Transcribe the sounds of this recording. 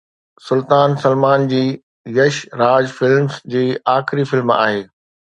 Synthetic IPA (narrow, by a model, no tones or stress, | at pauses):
sʊlt̪aːnsɐlmaːnd͡ʑiː | jɐʃɾaːd͡ʑfɪlmsd͡ʑiːaːxɪɾifɪlma̰ːɦeː